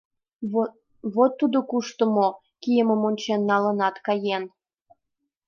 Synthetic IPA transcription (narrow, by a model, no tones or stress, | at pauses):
βot̪ːud̪okuʃt̪əmo | kijəməmonʲt͡ɕenːɑlənɑt̪kɑjen